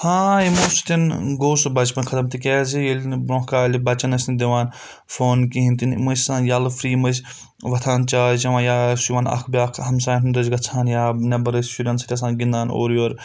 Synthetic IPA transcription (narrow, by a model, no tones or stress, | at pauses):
hãːimoːsu̥t̪inɡoːsubɐt͡ʃpɐnkʰɐt̪ɐmt̪ikʲɛːzijelʲnbɾõːkaːlʲibɐt͡ʃɐnɐsʲind̪iʋaːn | foːnkiɦint̪inḭməsʲsãːnjaːlfɾiːmɐsʲ | ʋɐt̪ʰaːnt͡ʃaːd͡ʒɐʋãːjaːsuʋãːnɐ̰kʰbiaːkʰhɐmsaːjtʰnd̪ɐzɡɐt͡sʰaːnjaːnɐbɐɾɐsʃuɾʲɐnsɐ̥t̪ʲɐs̬aːnɡind̪aːno̰ːɾjoːɾ